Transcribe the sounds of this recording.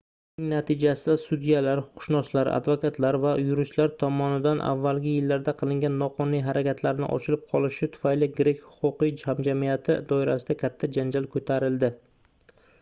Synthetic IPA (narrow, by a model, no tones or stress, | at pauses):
nɪŋnat̪ʰɪd͡ʒasɪd̪asʊd̪ijalaɾhʊ̥qʰʊ̥ʃnɒslaɾa̰d̪vokʰat̪ʰlaɾvajʊɾɪʃlaɾt̪ʰɒmɒnɪd̪anʔa̰vːalɡʲɪjɪlːaɾd̪aqʰɨlˠɪŋɡʲanːɒqʰɒnijɦaɾakʲʰat̪ʰlaɾnɪ̰ʔɒ̰t͡ʃʰɪlɪp̚qʰɒlˠɪʃɪt̪ʰʊ̥fajlɪɡɾekʲhʊ̥qʊqijhamd͡ʒamijat̪ʰɪd̪ɒɪɾasɪd̪akʲʰat̪ʰːad͡ʒand͡ʒalkʰɵt̪ʰaɾɪld̪ɪ